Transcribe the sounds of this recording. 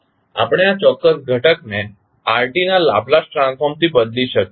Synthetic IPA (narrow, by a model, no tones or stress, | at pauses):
a̰pɽ̃eat͡ʃɔkːəsɡʱəʈəkne | aɾʈinala̰plasʈɾãnkʰomt̪ibəd̪liʃək